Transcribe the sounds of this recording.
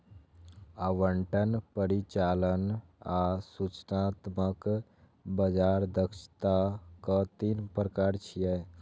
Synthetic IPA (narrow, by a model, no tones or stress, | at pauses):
aʋəɳʈənpəɾit͡ʃalənasut͡ʃnat̪mək | bəd͡ʒaɾd̪əkʃt̪akɔ̃t̪inpɾəkaɾt͡ʃʰijɛ